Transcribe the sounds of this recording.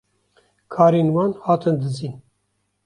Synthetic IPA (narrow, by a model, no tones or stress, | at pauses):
kʰɑːɾeːnwɑːnhɑːt̪ʰɨnd̪ɨziːn